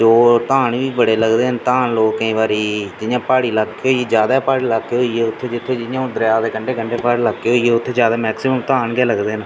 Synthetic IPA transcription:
d͡ʒoːt̪ãːɳʋiːbəɽeːləɡd̪eːənt̪ãːnloːkkːəĩːʋaːɾiːd͡ʒɪjãːpaːɽiːləɡeoːied͡ʒjaːd̪aːpaːɽiːlaɦoːiːeʊt̪ʰːeːd͡ʒɪt̪ʰːeːd͡ʒɪjãːd̪əɾjaːd̪eːkəɳɖeːkəɳɖeːpaːɽləɡeɦoːieːʊt̪ʰːeːd͡ʒjaːd̪aːmɛːksiməmt̪ãːɳɡɛːləɡd̪eːn

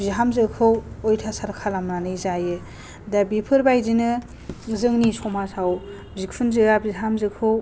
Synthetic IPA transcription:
bziɦamzɯkʰɯwojtʰasaɾkʰalamnanɯjzajɯ | dabipʰɯɾbajzinɯ | zɯŋnisɔmasaw | bzik̚pʰunzɯɡabizɦamzɯkʰɯw

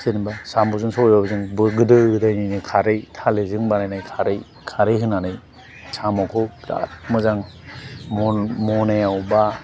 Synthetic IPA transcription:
sɯnibasambɔzɯŋsɔjbabɯzɯŋbɯɡɯdɯɡɯdajninɯkʰaɾɯjtʰalezɯŋbanajnajkʰaɾɯj | kʰaɾɯjɦɯnanɯj | samakʰɔla̰tmɯzaŋmɔmɔnajawba

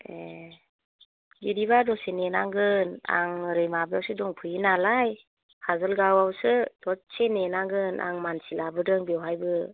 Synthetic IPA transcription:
e | jiɾibadɔsenenaŋɡɯna̰ŋɾɯjmabɯawsɯdɔŋpʰɯjinalaj | hazɯlɡawawsɯdɔsenenaŋɡɯnʔa̰ŋmansilabɯdɯŋbewɦajbɯ

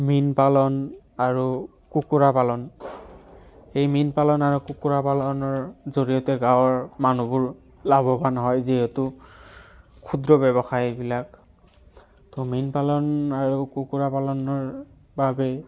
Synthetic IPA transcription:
minpalɔn | aɹu | kukuɹapalɔn | xejminpalɔnaɹukukuɹapalɔnɔɹzoɹijɔtɛɡãwɔɹmanubʊɹ | labɔbanɔɦɔjziɦɛtʊ | kʰudɹɔbɛβɔxajbilak̚ | tɔminpalɔnaɹukukuɹapalɔnɔɹ | babɛ

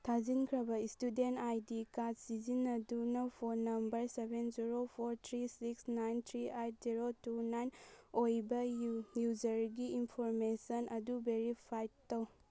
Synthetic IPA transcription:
tʰazinkʰɾɐbɐistudentajdikadsizinɐdunɐpʰonːɐmbɐɾsebenziɾopʰoɾt̪ʰɾisiksnajnt̪ʰɾiejt̚ʰziɾotunajnojbɐjuzɐɾɡiːnpʰoɾmesɐnɐdubeɾipʰajtːɐw

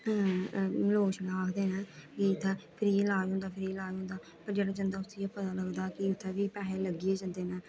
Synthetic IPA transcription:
loːʃlaːkʰd̪eːnɛːkit̪ʰːeːpʰɪɾiːlaːɦõːnd̪aːpʰɪɾiːlaːɦõːnd̪aː | pəɾd͡ʒeːɽaːd͡ʒənd̪aːʊsijapət̪aːləɡd̪aːkɪʊt̪ʰːeːʋiːpɛːɦeːləɡɪjeːd͡ʒə̃nd̪eːnɛː

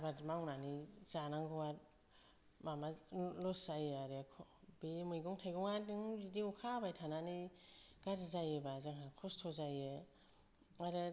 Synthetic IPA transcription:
badmaŋnaniz̥anaŋɡɔwaɾ | mamalɔszajaɾekʰ | bemɯjɡɔŋtʰajɡɔŋadɯŋbidiukʰabajtʰananiɡ̥aɾizajebazaŋɦakʰɔstʰɔzaje | aɾɯ

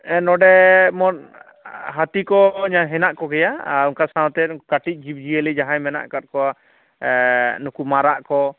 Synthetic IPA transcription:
ɛnɔɖɛmɔn | ɦat̪ikɔɲaɦɛnaʔkɔɡɛjauŋkasãwt̪ɛkaʈic̚ˀd͡ʒib̚d͡ʒiəlid͡ʒaɦãjmɛna̰ʔkat̪̚kɔa | nukumaɾaʔkɔ

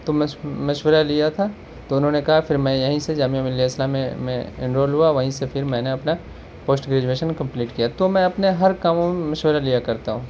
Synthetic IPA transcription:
t̪omɛ̃mɐʃwəɾalijat̪ʰa | t̪oʊnɦõːnekɐɦafɪɾmɛ̃jɐɦĩsed͡ʒaːmijamɪliaɪslamḛ̃mḛ̃ɪ̰̃ɳɾoːlɦuaʋɐɦĩsefʰɪɾmɛ̃ːneɐpna | poːsʈɡɾeːd͡ʒueːʃənkɐ̃mpliːʈkijat̪omɛ̃ɐpneɦɐɾkaːmõmẽmɐʃwəɾalijakɐɾt̪aɦũː

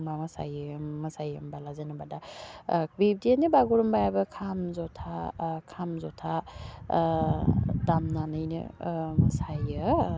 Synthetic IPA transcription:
mamɐsa̰jɯmɐsajɯmbalazenabada | bib̚dienibaɡuɾɯmbajabɯkʰamzɔtʰakʰamzɔtʰa | damnanɯjnɯ̰mɐsajɯ

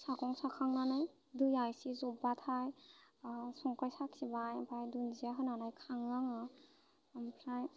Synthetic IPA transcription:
sakɔŋsakʰaŋnanaj | dɯjajsizɔbatʰaj | sɔŋkajsaksibajapʰajdunziaɦɯnanajkʰaŋːaŋa | mpʰɾaj

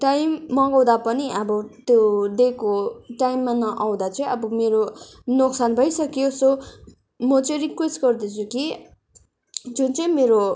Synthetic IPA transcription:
ʈajmːʌɡaw̃d̪apʌniʔʌbʌt̪jod̪ekoʈajmːanʌʔaw̃d̪at͡sʌĩʌbʌmeɾonoksanbʱʌjsʌkjoso | mʌt͡sʌɾikwesʈɡʌrd̪et͡sʰuki | d͡zunt͡sʌĩmeɾo

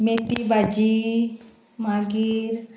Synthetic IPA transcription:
meːt̪ibad͡ʒi | mãːɡiɾ

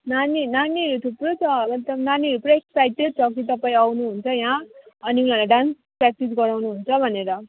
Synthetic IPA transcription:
naninaniʌɾut̪ʰuprot͡sʰʌʌt̪ʌnaniɦʌɾupuɾʌeksajʈed̪̚t͡sʰʌk̬it̪ʌpaĩawnuɦunt͡sʰʌjãʌniulalaɖrans | pɾak̚ʈisɡʌɾawnuɦunt͡sʰʌbʱʌneɾʌ

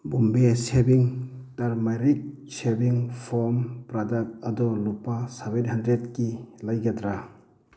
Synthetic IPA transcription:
bumbesebiŋtaɾmajɾik̚ | sebiŋpʰɔmpɾadak̚tadɔlupasebenhandɾet̚kilajɡadɾa

